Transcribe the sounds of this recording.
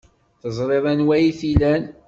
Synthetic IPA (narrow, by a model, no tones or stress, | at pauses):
θəzˤɾˤeðˤænwæjiθilæn